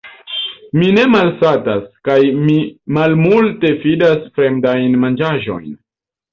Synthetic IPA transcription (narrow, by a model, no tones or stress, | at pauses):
mine̞malsataskajmimalmulte̞fidasfɾe̞mdajnmand͡ʒaʒo̞̰jn